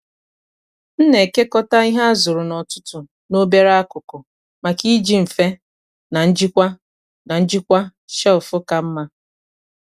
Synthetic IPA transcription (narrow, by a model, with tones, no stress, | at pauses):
n̩˦ne˨ke˦kɔ˦ta˦i˦ɦa˦a˦zʊ˨ɾʊ˨nɔ˨tʊ̥˦tʊ˨ | no˦be˦ɾa˦a˦kʊ˨kʊ˨ | ma˨ki˦d͡ʒi˦m̩˨fe˦ | na˨n̩˦d͡ʒi˦kʷa˦ | na˨n̩˦d͡ʒi˦kʷa˦ʃɛ˦ʊ˨fʊ˦ka˨m̩˦ma˦